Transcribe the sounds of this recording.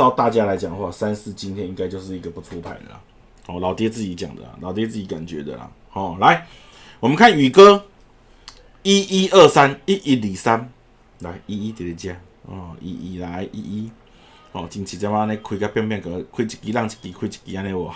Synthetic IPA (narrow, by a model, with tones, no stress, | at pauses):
a˥˧ʊt̪a˥˧˨t͡ɕja˦la˨˧˦ɪt͡ɕja˨˩ŋxwa̰˥˧sa˦nsɹ̩˥˨t͡ɕi˦nt̪ʰjɛ˥˦ni˧˦ŋka˧ɪt͡ɕjʊʂ̬ɻ̩˥˨i˧ɡə˨˩pu˨˧t͡sʰu˦pʰa̰˨˩ɪnlə̰˨˩ | hɔ˨˩la˨ʊt̪jɛ˦˥t͡sɹ̩˥˩t͡ɕi˨˦t͡ɕja˨˩ŋd̪ə̰˨˩la̰˨˩la̰˨˩ʊt̪jɛ˧˦t͡sɹ̩˥˩t͡ɕi˨˧˦ka̰˨˩nt͡ɕɥɛ̰˨˦d̪ə̰˨la̰˨ | hɔ˨˩la˧˦ɪ | wɔ˨˩mə˦nkʰa˥˨ny˨˩kə˦ | i˦ʔi˦ʔə˥˩sa˦ni˦ʔi˦li˨˩sa˦n | la˨˦i˦˥i˦t̪e˨˩t̪e˨˩t͡ɕja˧ | ɔ˧˩ḭ˦ʔi˦˩la˨˧˦ɪʔḭ˦ʔi˦ | hɔ˨˩t͡ɕi˨ŋt͡ɕʰi˨˩t͡ɕa˧˦ma˧nẽ˧kʰwi˧˩ka˦pja˥˧ŋpjɛ˥˨ŋkə˧˩˦kʰwi˥˧˩t͡ɕʰi̥˨˩kːi˦la˥˨ŋt͡ɕi̥˨˩kːi˨˩kʰwi˥˧˩t͡ɕi̥˨kːi˧˦a˧nɛ̃˧wɔ˨˩